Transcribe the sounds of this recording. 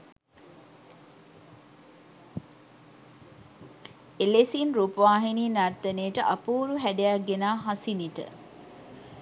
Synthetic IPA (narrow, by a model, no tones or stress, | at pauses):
elesinɾupəʋaːɦiniːnart̪ənejːʈəʔapuːɾuɦædejaɡːenaːɦasiniʈə̰